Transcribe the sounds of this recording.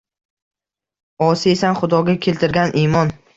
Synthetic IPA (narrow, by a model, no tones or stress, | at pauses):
ɒsɪesanχʊd̪ɒɡʲakʲʰe̞lt̪ʰɪɾɡʲanʔimɒn